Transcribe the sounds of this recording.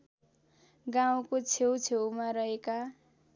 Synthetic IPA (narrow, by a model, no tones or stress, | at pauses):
ɡãw̃kot͡sʰewt͡sʰewmaɾʌɦeka